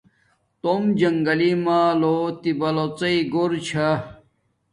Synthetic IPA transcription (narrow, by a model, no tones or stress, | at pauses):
t̪omd͡ʑɐŋɡɐlimaːlot̪ibɐlot͡sɐiɡoɾt͡ɕʰɐ